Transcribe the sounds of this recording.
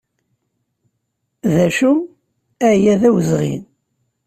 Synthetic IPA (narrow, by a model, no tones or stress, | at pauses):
ðæʃu | æjæðæwəzʁḭn